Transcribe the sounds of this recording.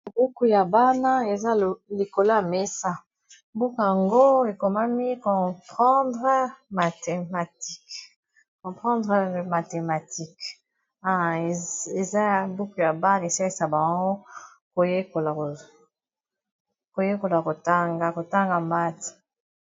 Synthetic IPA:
bu˦ku˨ja˨ba˦na˦e˨za˦˨li˨ko˨lo˦a˨me˦sa˦ | bu˦kja˨ŋɡo˦e˨ko˨ma˦mi˦kɔ̃˨pχɑ̃˦dʁə˦ma˨te˨ma˨ti˦k | kɔ̃˨pχɑ̃˦ndʁə˨ma˨te˨ma˨ti˦k | a˦˨e˨za˦ja˨bu˦ku˨ja˨ba˦na˨e˨sa˦i˦sa˨bã˨ŋɡo˦ | ko˨je˦ko˨la˨o˨ | ko˨je˦ko˨la˨ko˨ta˦ŋɡa˦ko˨ta˦ŋɡa˨mba˦ti̥˨

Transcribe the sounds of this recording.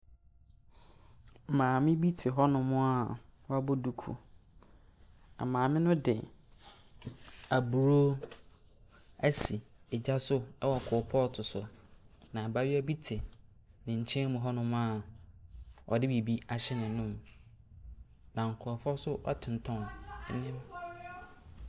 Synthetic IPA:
m̩˨mãː˨mɪ̃˦bi˦tʰɪ˨ɦɔ˦nʊ̃˦mʊ̃˦a˨wa˦bo˦du˨kʰṵ˨ | a̰˨mãː˨mɪ̃˦nʊ̃˦dɪ̰˨ | a˨bu˨ɾo˦ | æ˦si˨ɛ˨d͡ʑa˦sʊ˦ɛ˦wɔ˨kʰʊ˨pʰɔ˦˨tʰʊ˨sʊ˨nã˨ba˦ɥi˦æ˦bi˦tʰɪ˨ | nɪ̃˨ɲ̩˨t͡ɕʰɛ̃˦mʊ̃˨ɦɔ˦nʊ̃˦m̃˦a˦˨ | ʔɔ̰˨dɪ˦bi˨bi˦a˨ɕɪ˦nɪ̃˨nʊ̃˦m | nã˨ŋ̩˨kʰʊ˨ɾɔ˨fɔ˦sʊ˦ʔɔ̰˦tʰɪ̃˨n̩˨tʰɔ̃˦n˦nɪ̃˦m

